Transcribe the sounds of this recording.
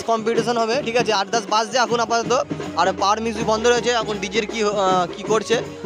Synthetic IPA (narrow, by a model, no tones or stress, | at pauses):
skɔmpiʈiʃonɦɔbeʈʰikat͡ɕʰeaɾd̪asbasd͡ʑaakunapat̪ot̪̬oaɾpaɾmisuibʱɔnd̪ʱoɾojet͡ɕʰeakʰunɖid͡ʑiɾkiɦkikoɾt͡ɕʰe